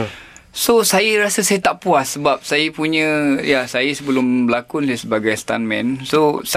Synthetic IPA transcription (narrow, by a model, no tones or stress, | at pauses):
sosajəɾasəsajət̪aʔpuasːəbap̚sajəpuɲə̃jasajəsəbəlʊmbəlakunsasəbaɡajst̪a̰nmɛ̰̃nsos